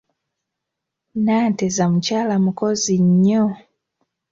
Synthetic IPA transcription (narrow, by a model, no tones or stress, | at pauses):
naːtezamucaːlamuko̞ziɲːo